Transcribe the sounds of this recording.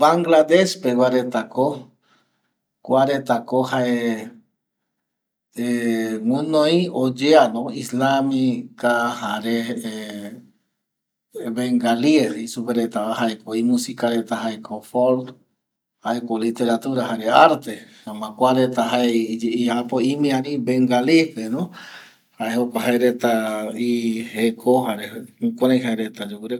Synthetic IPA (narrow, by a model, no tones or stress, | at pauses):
baŋɡlad̪eʃpewaɾet̪ako | kʷaɾet̪akohae | emũnoiod͡ʒeanõislamikahaɾe | βeŋɡaliesisupeɾet̪aahaekʰoimũsikaɾet̪aɦaekʰofoɾd̪ | haekolit̪eɾat̪uɾaɦaɾeaɾt̪e | amãkʷaɾet̪aɦaed͡ʒeiapoimĩaɾĩbeŋɡalifenõ | haehokʷaɦaeɾet̪aihekʰoɦaɾeukʷaɾajɦaeɾet̪ad͡ʒukuɾe